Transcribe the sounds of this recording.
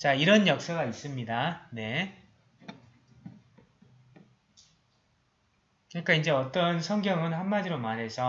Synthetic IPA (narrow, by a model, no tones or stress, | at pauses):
t͡ɕaiɾʌnjʌk̚s͈aɡais͈ɯmɲidane̞ | kɯnik͈aind͡ʑe̞ʌt͈ʌnsʰʌŋɡjʌŋɯnhamːad͡ʑiɾomaɾɦe̞sʰʌ